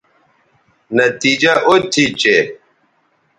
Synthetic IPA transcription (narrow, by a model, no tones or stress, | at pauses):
nɐt̪iːd͡ʒaʔot̪ʰit͡ɕe